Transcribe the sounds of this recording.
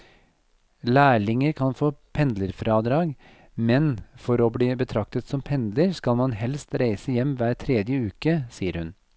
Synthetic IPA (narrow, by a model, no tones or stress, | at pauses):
læːɭɪŋəɾkʰɑnfoːpʰɛnd̪ləɾfɾɑːd̪ɾɑːɡ | mɛnfɔɾoːbliːbət̪ʰɾɑk̚t̪ət̪sɔmpʰɛnd̪ləɾskɑlmɑnɦɛlst̪ɾæɪsəjɛmːʋæːɾʈʰɾeːd̪jəʉːkəsiːəɾhʉn